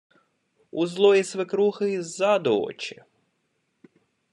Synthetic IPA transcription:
uzlˠɔjisʋɪkɾuxɪizad̪ɔɔ̰t͡ʃɪ̥

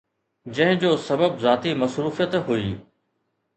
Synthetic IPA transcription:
d͡ʑɐ̃ɦɪ̃d͡ʑoːsɐbəbzaːt̪imɐsɾuːfijət̪ɦuiː

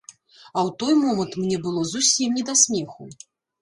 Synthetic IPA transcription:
ɐwt̪ɔjmɔmɐnt̪mnʲɛbɨlˠɔzusʲimnʲɛd̪asʲmʲɛxu

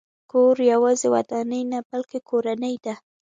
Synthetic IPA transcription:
koɾjawɑzewa̰d̪anəjnabalkekʰoɾanəjd̪a

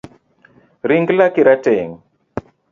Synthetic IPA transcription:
ɾiŋɡlakiɾateŋ

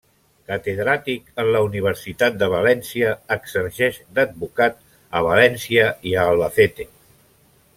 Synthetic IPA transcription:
kət̪eðɾat̪ikənləuniβ̞əɾsit̪at̪̚d̪əβalɛnsiəːɡsəɾʒɛʃd̪əd̪̚βukat̪̚ | əβ̞alɛnsiəiəːlˠβəθet̪e

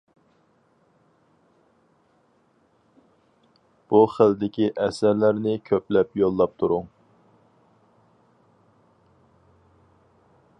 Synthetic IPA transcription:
b̥uχəld̪ɪkʲiʔɛsæɾlæɾnɪkʲʰøplɛpjolˠːɑp̚t̪ʰuɾʊŋ

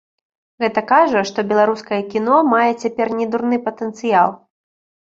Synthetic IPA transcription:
ɣɛt̪ɐkaʐɐʂt̪ɔbʲɛlˠaɾuskɐjɐkʲinɔmajɛt͡sʲapʲɛrnʲɛd̪urnɨpɐt̪ənt̪sɨjalˠ

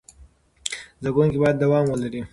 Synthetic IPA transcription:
zaɡuŋkibɑjad̪ːawɑmwəlaɾi

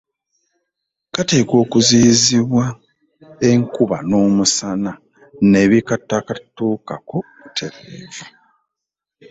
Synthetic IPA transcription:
kate̞ːko̞ːkuziːziβwa | e̞ŋkuβano̞ːmusana | ne̞βikatːakatuːkako̞ | utʰe̞ɾeːvu

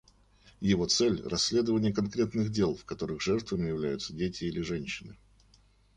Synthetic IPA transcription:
jɪvo̞t̪sɛlʲrɐsʲːlʲe̞d̪əvənʲɪjəkɐnkɾʲe̞t̪nɨxdʲe̞lˠfkɐt̪o̞ɾɨxʐɛrt̪vəmʲɪjɪvlʲæjʊt̪sədʲetʲɪilʲɪʐɛnʲɕːɪnɨ

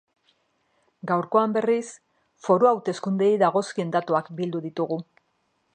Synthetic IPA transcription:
ɡawɾko̞ambe̞ris | fo̞ɾoawt̪e̞skund̪e̞jðaɣ̞o̞skie̞nd̪at̪uakbild̪uðit̪uɣu

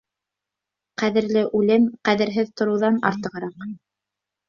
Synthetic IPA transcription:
qæðɘ̆ɾlɘʔʉlɘmqæðɘ̆ɾɦɘðt̪ŏɾɤ̆wðɑnɑ̰ɾt̪ɤ̆ʁɤ̆ɾɑq

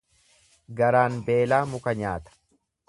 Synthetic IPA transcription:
ɡɐɾaːnbe̞ːlaːmʊkɐɲaːt̪ɐ̥

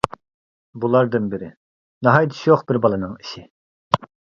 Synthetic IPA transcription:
bulˠɑɾd̪ɨnbɪɾɪ | nɑɦɑjd̪ɨ̥ʃjoqbɪɾbɑlˠɨnɨŋiʃɪ

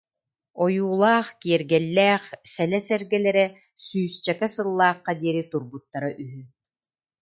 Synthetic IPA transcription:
ɔjuːlˠaːχkiɛɾɡɛlːɛːχsɛlɛsɛɾɡɛlɛɾɛ | syːst͡ʃɛkɛsɯlˠːaːχːad̪iɛɾit̪uɾbut̪ːaɾaʔyɦy

